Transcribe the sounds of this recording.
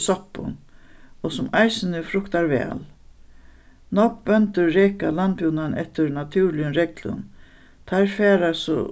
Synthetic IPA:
sɔpːʊ̰nɔsʊmajsɪnɪfɾʊkt̪aɾvɛ̰ːl | nɔk̚bœnt̪ʏɾːɛːkalant̪pjuːnanɛ̰ht̪ɪɾnat̪ʰuːɾlɪjənɾɛklʊ̰n | t̪ʰajɾfɛːɾasɔ̰

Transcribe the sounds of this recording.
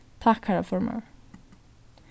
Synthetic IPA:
t̪ʰɑkhæɹafɔɹmə̰

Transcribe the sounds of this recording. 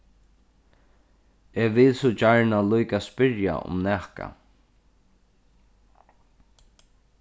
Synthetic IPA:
eːʋɪlsʊt͡ʃaɹɳalujkaspɪɹja̰ʊ̰mnɛːhka̰

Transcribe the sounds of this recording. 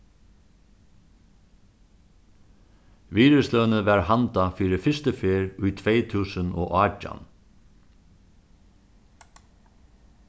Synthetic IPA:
ʋiːɾəslœːnəʋæɹhant̪afiːɾɪfɪst̪əfeːɹʊjt̪ʰʋeːjt̪ʰuːsənɔ̰ːʔaːd͡ʒa̰n

